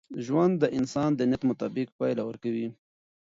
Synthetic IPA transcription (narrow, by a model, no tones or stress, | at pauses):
ʒwand̪ːəʔɪnsɑnd̪ənjat̪mʊt̪ɑbɪk̚pɑjlawəɾkawi